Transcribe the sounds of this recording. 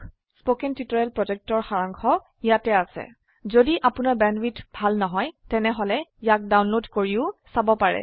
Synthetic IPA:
spokɛntitɔɹɛlpɹɔd͡ʒɛk̚tɔɹxaɹaŋkʰɔ | ijatɛasɛ̰ | zodiʔapʊnaɹbɛnwitbʱalnɔɦɔjtɛnɛɦɔlɛijak̚dawnlodkoɹiʊsabɔpaɹɛ̰

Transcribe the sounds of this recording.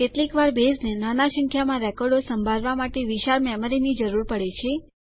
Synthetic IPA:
t̪et̪likʋaɾbeznenanaʃə̃ŋkʰjamãɾɛkɔɾɖosəmbʱalʋamaʈeʋiʃaɾmɛməɾinid͡ʒəɾuɾpəɽet͡ʃʰe

